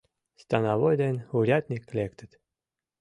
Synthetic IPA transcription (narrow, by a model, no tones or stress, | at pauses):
st̪ɑnɑvojd̪enʲuɾʲat̪ʲnʲiklʲekt̪ɘt̪